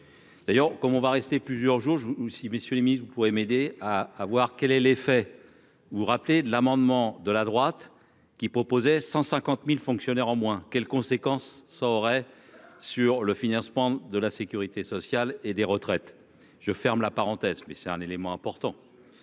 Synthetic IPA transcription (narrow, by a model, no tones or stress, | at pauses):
d̪̥ajœʁkɔmɔ̃vaʁɛst̪eplyzjœʁʒuʁʒusiməsjøleminist̪vupuʁemed̪eaːvwaʁkʲɛlɛlefɛ | vuʁapled̪əlamɑ̃d̪mɑ̃d̪əlad̪ʁwat̪ | kʲipχɔpozɛsɑ̃sɛ̃kɑ̃t̪milfɔ̃ksjɔnɛʁɑ̃mwɛ̃kʲɛlkɔ̃sekɑ̃sːaɔʁɛsyʁləfinɑ̃smɑ̃d̪əlasekʲyʁit̪esɔsjaled̪eʁət̪χɛt̪ | ʒ̥əfɛʁmlapaʁɑ̃t̪ɛzmɛsɛt̪ɛ̃nelemɑ̃ɛ̃pɔʁt̪ɑ̃